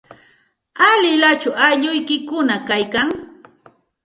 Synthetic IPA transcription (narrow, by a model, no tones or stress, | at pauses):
alɪlat͡ʃʊʔaʎʊjkɪkʊnakajkaŋ